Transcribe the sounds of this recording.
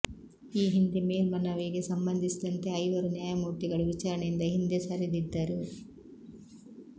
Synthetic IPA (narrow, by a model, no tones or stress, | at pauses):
iːɦind̪ime̞ːlmɐnɐʋiɡe̞sɐmbɐnd̪isid̪ɐnt̪e̞ɐjʋɐɾunjaːjɐmuːʈ̪iɡɐɭuʋit͡ʃaːɾɐɳejind̪ɐɦind̪esɐɾid̪id̪ːɐɾu